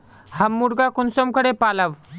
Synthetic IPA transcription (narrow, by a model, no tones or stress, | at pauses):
həmːuɽɡakunsomkəɽepaləʋ